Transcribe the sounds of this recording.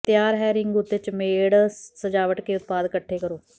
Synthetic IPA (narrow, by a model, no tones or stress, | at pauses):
t̪ɪjaːɾɦɛːɾɪŋɡʊt̪et͡ʃmeːɽsəd͡ʒaːʋəʈkeːʊt̪̚paːd̪kəʈʰːeːkəɾoː